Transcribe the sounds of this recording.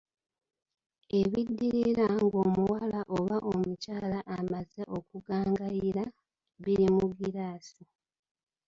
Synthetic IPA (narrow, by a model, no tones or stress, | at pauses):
e̞βidːiɾiɾaŋɡo̞ːmuwalaʔoβaʔomucaːlaʔamazeʔo̞kuɡaːŋɡajiɾa | βiɾimuɡiɾaːsi